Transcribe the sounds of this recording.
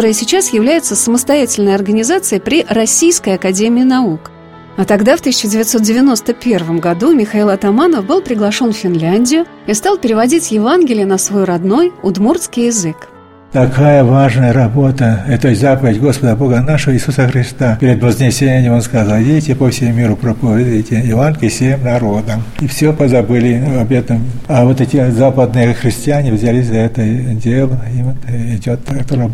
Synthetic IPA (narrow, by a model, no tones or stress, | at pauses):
oɾɨjəsʲɪt͡ɕasjɪvlʲæjɪt̪səsəməst̪ɐjætʲɪlʲnəjɐrɡənʲɪzat̪sɨjəpɾʲɪrɐsʲːijskəjɐkɐdʲemʲɪɪnɐuk | ɐt̪ɐɡd̪aft̪ɨsʲɪt͡ɕːɪdʲɪvʲɪt̪ʲso̞t̪̚dʲɪvʲɪno̞st̪əpʲe̞rvəmɡɐd̪umʲɪxɐilˠɐt̪ɐmanəfbɨlˠpɾʲɪɡlˠɐʂo̞nffʲɪnlʲænʲdʲɪjʊ | ist̪alˠpʲɪɾʲɪvɐdʲitʲjɪvanɡʲɪlʲɪjɪnəsvojuɾɐd̪no̞jʊd̪murskʲɪjɪzɨk | t̪ɐkajəvaʐnəjəɾɐbo̞t̪əɛt̪əzapəvʲɪdʲɡo̞spəd̪əbo̞ɡənaʂəvəɪsusəxɾʲɪst̪apʲɪɾʲɪd̪vəzʲnʲɪsʲenʲɪmʲɪmonskɐzalˠvʲetʲɪpəfsʲɪmumʲiɾʊpɾəpəvʲɪd̪ɨtʲɪɪvankʲɪsʲemnɐɾo̞d̪əmifsʲopəzɐbɨlʲɪɐbʲjed̪nəmɐvo̞t̪ɛtʲɪzapəd̪̚nɨjəxɾʲɪsʲtʲɪanʲɪvzʲalʲisʲzɐɛt̪ədʲelˠəivot̪ɪdʲo̞t̪ːkt̪oɾɐ